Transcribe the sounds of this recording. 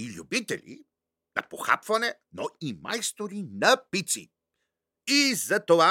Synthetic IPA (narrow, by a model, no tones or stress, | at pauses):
ilʲṵbit̪ɛ̰lʲḭ | nɐ̰poxa̰pvɐnɛnoima̰jst̪oɾinɐpit̪sḭ | izɐt̪ova